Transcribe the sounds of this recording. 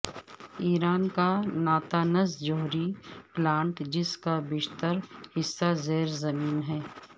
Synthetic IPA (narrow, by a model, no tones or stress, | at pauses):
iːɾaːnkanaːt̪aːnəzd͡ʒoːɦɾiplãːɳʈd͡ʒɪskabɪːʃt̪əɾhɪsːazeːɾzɐmiːnɦɛː